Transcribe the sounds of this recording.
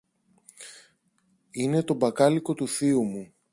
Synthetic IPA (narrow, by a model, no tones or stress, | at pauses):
ine̞t̪o̞bɐkɐliko̞t̪uθiumu